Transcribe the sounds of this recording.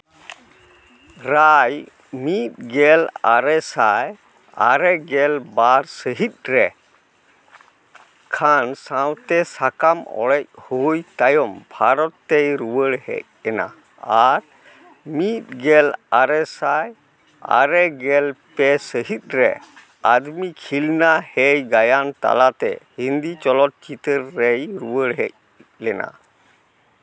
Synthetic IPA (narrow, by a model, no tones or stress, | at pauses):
ɾaj | mit̪̚ɡɛlaɾɛsaj | a̰ɾɛɡɛlbaɾsəɦit̪̚ˀɾɛ | kʰansawt̪ɛsakamɔ̰ɽɛc̚hujt̪ajɔmbʱaɾɔt̪ːɛjɾuwəɽhɛ̰c̚ɛna̰ | aɾ | mit̪̚ɡɛlaɾɛsaj | a̰ɾɛɡɛlpɛsəɦit̪̚ˀɾɛ̰ | ad̪mikʰilnahejɡajant̪a̰lat̪ɛ̰hind̪it͡ʃɔlɔt̪̚t͡ʃit̪əɾːɛjɾuwəɽɦɛ̰c̚ | lɛna̰